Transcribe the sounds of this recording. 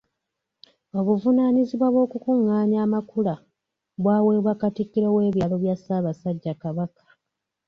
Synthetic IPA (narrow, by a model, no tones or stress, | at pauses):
o̞βuvunaːɲiziβwaβwo̞ːkukuŋːaːɲaːmakula | βwaːwe̞βwakatikːiɾo̞we̞ːβjalo̞βjasaːβasaɟːakaβakḁ